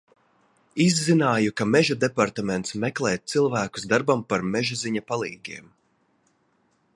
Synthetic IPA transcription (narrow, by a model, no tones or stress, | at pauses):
izːinaːjukamɛʒad̪epaɾt̪amɛnt̪smɛklˠɛːt̪̚t̪silˠvæːku̥zd̪aɾbampaɾmɛʒuziɲapalˠiːɡʲiɛm